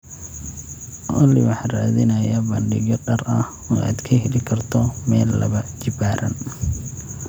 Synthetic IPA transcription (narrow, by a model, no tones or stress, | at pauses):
ʔɔlɪ̰wɑħɑraːðɪnɐjɐbɐnɖɪɣjɔɖɐrɐh | ɔːʔa̰ːd̪kʰɐɦɛlɪkʰɐrt̪ʰɔmɛːlːɐ̰βɐt͡ʃɪbaːɾʔɐ̰n